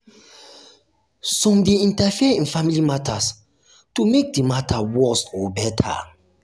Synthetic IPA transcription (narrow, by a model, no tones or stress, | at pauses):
sɔ̃mdeĩntafiɛĩnfamilimatʰas | tumek̚dimatʰawɜsɔbɛtʰa̰